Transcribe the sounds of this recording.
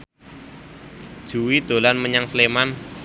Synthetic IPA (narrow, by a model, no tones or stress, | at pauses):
d̥ʒ̥uwid̪̥o̤lanməɲaŋsleman